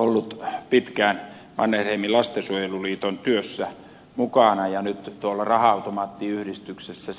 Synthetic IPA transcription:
olːut̪pit̪kæːˑn | ʋɑ̰nːehreimilɑst̪esuojeluliːt̪ont̪yøsːæ | mukɑˑnɑjɑnyt̪t̪uolːɑrɑhɑˑɑut̪omɑːt̪ːiːyhdist̪yksesːæ

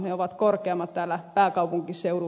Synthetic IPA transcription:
neoʋɑt̪korkeɑmːɑt̪t̪æːlːæpæːkɑupuŋkisseuru

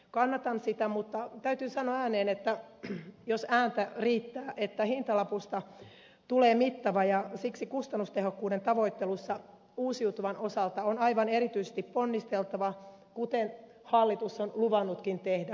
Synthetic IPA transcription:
kɑnːɑt̪ɑnsit̪æmut̪ːɑt̪æyt̪yːsɑnoɑæːneːnet̪ːæ | josæːnt̪æriːt̪ːæːʔet̪ːæhint̪ɑlɑpust̪ɑ | t̪uleːmit̪ːɑʋɑjɑsiksikust̪ɑnːust̪ehokːuːdent̪ɑʋoit̪ːelusːɑ | uːsiut̪uʋɑnosɑlt̪ɑonɑiʋɑneɾit̪yise̥st̪ipponːist̪elt̪ɑʋɑ | kut̪en | hɑlːit̪usːonluʋɑnːut̪kint̪ehdæ

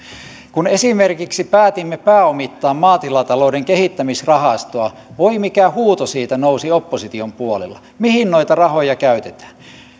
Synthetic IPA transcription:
kunesimerkiksipæːt̪imːepæːomit̪ːɑːmmɑːt̪ilɑt̪ɑloudeŋkehit̪ːæmisrɑhɑst̪oɑ | ʋoimikæhuːt̪osiːt̪ænousiopːosit̪iompuolḛlːˑɑ̰ | mihinnoit̪ɑrɑhojɑkæyt̪et̪æ̥ːn

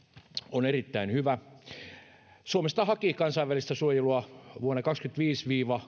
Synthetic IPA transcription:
onerit̪ːæinhyʋæ | suomest̪ɑhɑkikɑnsɑiʋælist̪æsuojeluɑʋuonːekɑkskyt̪ʋiːsʋiːʋɑ

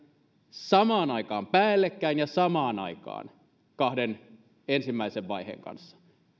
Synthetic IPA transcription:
sɑmɑːnɑikɑːmpæːlːekːæinjɑsɑmɑːnɑikɑ̰ːn | kɑhden | ensimːæiseʋʋɑihḛŋkɑ̰nsːɑ̥

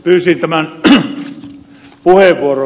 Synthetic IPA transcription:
pyːsint̪æmæn | puheʋʋuoro

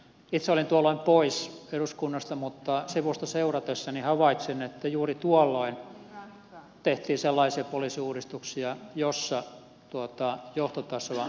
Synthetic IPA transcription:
it̪seolint̪uɑlːoimpoiseruskunːɑst̪ɑmut̪ːɑsiʋust̪ɑseurɑt̪esːɑnihɑʋɑit̪sinet̪ːæjuːrit̪uɔlːoin | t̪eht̪iːselːɑisiɑpoliˑːsiuːrist̪uksiɑjosːɑ | t̪uot̪ɑjoht̪ot̪ɑsɑ

